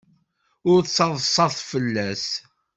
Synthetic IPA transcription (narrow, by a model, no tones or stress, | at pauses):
ʊɾθsɑðˤsˤɑθˤfəlːæs